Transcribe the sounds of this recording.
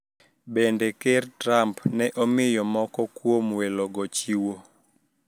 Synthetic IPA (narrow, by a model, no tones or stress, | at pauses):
bendekertɾampnɛʔomɪjɔmɔkɔkwomwelɔɡɔt͡ʃiwo